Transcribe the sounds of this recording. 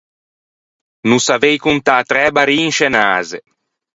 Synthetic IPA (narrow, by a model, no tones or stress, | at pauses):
nusavejkunt̪aːt̪ɾɛːbaɾiːnʃenaːze